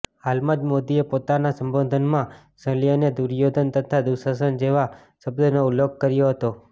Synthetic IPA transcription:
ɦalmãd͡ʒmod̪iepot̪anasəmbod̪ʱənmã | səliəned̪uɾjod̪ʱənt̪ət̪ʰad̪usəs̬ənd͡ʒeʋa | səbd̪ʱənouljoɡ̚kəɾjoɦət̪o

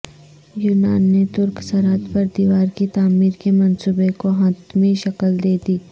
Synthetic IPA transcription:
juːnaːnːet̪ʊɾksɐɾat̪pɐɾd̪iːʋaːɾkit̪aːmiːɾkemɐnsuːbekoɦɐt̪mẽʃɐkəld̪eːd̪iː

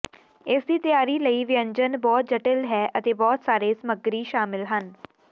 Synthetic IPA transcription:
ɪsd̪iːt̪əjaːɾiːləiːʋɪjə̃ɲd͡ʒənbɔːt̪̚d͡ʒəʈɪlɦɛːʔət̪eːbɔːt̪saːɾeːsəməɡɾiːʃaːmɪlɦən

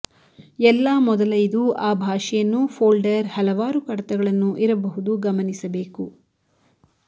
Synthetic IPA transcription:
ɛlːaːmɔd̪ɐlɐjd̪uaːbʱaːʂɛjɐnːufʰoːlɖɐɾhɐlɐʋaːɾukɐɽɐt̪ɛɡɐɭɐnːuʔiɾɐbɐɦud̪uɡɐmɐnisɐbe̞ːku

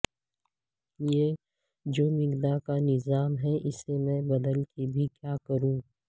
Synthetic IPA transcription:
jeː | d͡ʒoːmɪɡd̪akanɪzaːmɦɛʔɪsemɛ̃ːbɐd̪əlkebʱikjaːkɐɾũː

